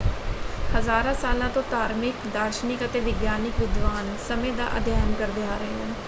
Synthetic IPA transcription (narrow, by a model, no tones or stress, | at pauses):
həzaːɾãːsaːlãːt̪õːt̪aːɾmɪkd̪aːɾʃnɪkət̪eːʋɪɡjaːnɪkʋɪd̪ʋaːnsəmẽːd̪a̰ːʔə̰d̪ʱjaːjənkəɾd̪eːaːɾəɦeːɦɛ̃ː